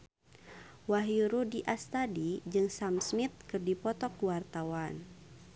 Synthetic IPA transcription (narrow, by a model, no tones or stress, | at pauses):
waɦjuɾudiʔast̪adid͡ʒɨŋsamsmit̪̚kɨrdipɔt̪ɔkwart̪awan